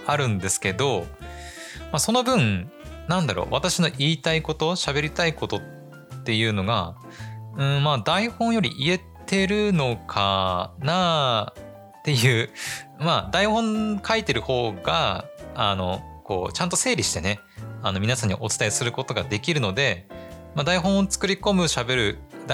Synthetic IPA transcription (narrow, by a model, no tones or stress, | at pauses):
aɾɯ̟̃nd̪e̞sɨ̥ke̞d̪o̞ | maso̞no̞bɯ̟̃ɴnãnd̪aɾo̰βat̪aɕino̞ʔiːt̪aiko̞t̪o̞ɕabe̞ɾʲit̪aiko̞t̪o̞tː | e̞jɯ̟ːno̞ɡa̰ | ɯ̟̃ɴmaːd̪aihõ̞ɰ̃jo̞ɾʲḭʔie̞t̪e̞ɾɯ̟no̞kʰana | t̪e̞jɯ̟ːmad̪aihõ̞ŋkʰait̪e̞ɾɯ̟ho̞ːɡa̰ː | no̞ko̞̰ːt͡ɕãnt̪o̞se̞ːɾʲiɕi̥t̪e̞ne̞ | ano̞mʲinasãɲ̟ːḭʔo̞t͡sɨ̥t̪aesɨɾɯ̟ko̞t̪o̞ɡad̪e̞kʲiɾɯ̟no̞d̪e̞mad̪aiɦõ̞ɰ̃ot͡sɨ̥kɯ̟ɾʲiko̞mɯ̟ɕabe̞ɾɯ̟